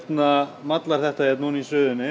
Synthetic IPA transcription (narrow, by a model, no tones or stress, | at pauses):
t̪namat̪laɾ̥θɛht̪aɛt̪nuːnisœːðʏnːɪ